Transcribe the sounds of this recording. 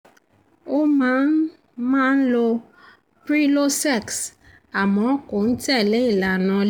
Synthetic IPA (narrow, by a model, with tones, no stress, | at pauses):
o˦mãː˨˦n˦ | mãː˦n̩˦lo˧ | pɾi˦lo˦sɛ˦˨ks | a˨mɔ̃˨˦ko˨n̩˦tɛ˦˨le˨˦i˦˨la˨nã˧l